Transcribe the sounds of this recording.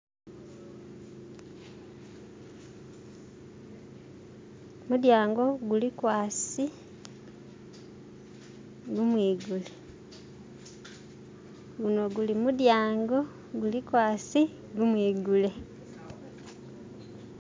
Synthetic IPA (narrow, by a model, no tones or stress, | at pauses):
mudjaːŋɡo̞ɡulikwaːsi | ɡumwiːɡule | ɡuno̞ɡulimudjaːŋɡo̞ | ɡulikwaːsi | ɡumwiːɡule̞